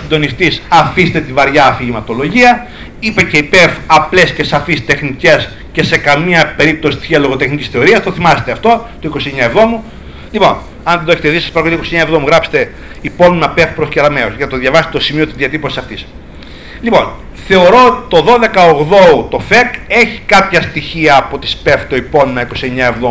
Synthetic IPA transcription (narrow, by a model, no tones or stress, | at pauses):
osind̪o̞nist̪isɐfist̪et̪ivɐɾʝɐːfiʝimɐt̪o̞lo̞ʝiɐ | ipece̞ipefɐple̞sce̞sɐfist̪e̞xnice̞s | ce̞se̞kɐmiɐpe̞ɾip̚t̪osit̪i̥siɐlo̞ɣo̞t̪e̞xnicisθe̞o̞ɾiɐst̪o̞θimɐse̥t̪eɐft̪o̞t̪oiko̞sie̞ɲɐevðo̞mu | lipo̞̰n | ɐnðend̪oeet̪eðisɐ̥spɐɾɐkot̪ikosieɲɐevðomuɣɾɐpse̥t̪e̞ | ipo̞nunɐpe̞fpɾosceɾɐmeosʝɐɐt̪oðjʝɐvɐse̥t̪t̪osimio̞t̪izðiɐt̪ipo̞sisɐft̪is | lipo̞̰n | θe̞o̞ɾo̞ot̪i̥t̪o̞ðo̞ðe̞kɐoɣðo̞t̪o̞fe̞keçi̥kɐpçɐst̪içiɐːpo̞t̪i̥spe̞ft̪oipo̞nunɐiko̞sie̞ɲɐe̞vðou